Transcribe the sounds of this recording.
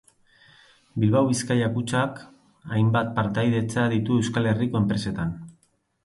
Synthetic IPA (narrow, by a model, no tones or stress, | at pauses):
bilβawβiskajakut͡ʃak | ajmbat̪̚paɾt̪ajðe̞t͡saðit̪ue̞wskale̞riko̞e̞mpɾe̞se̞t̪an